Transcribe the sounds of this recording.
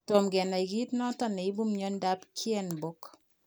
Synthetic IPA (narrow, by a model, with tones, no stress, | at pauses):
to˨mɡɛ˨nɔ˨i˨ɡi˦tnɔ˦tɔ˨nɛ˨i˦bu˦mɲɔ˦nda˦pkʰjɛ˦˨nbo˦k